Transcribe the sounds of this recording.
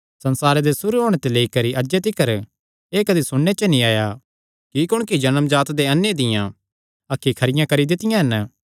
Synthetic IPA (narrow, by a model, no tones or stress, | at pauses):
sɐ̃nsaːɾed̪esʊɾuɦoːɽ̃et̪eleːikɐɾiʔɐd͡ʒet̪ɪkəɾ | eːkɐd̪isʊɽːet͡ʃənĩaːja | kikʊɽ̃kid͡ʒɐnəmd͡ʒaːt̪d̪eɐnːjed̪ɪjã̰ː | ɐkʰːikʰɐɾɪjãkɐɾid̪ɪt̪ɪjãɦɐnə